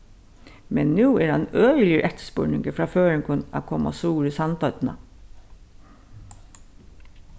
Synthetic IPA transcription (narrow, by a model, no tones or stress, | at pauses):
mɛnnuːæːɾɑnøːlɪəɾʔɛt̪ə̥spo̰ːɳɪŋɡəfɾɑːføːɾəŋkʰʊnɑ̰kʰɔmʔɑ̰suːɾəsɑnt̪ɑt̪nɑ̰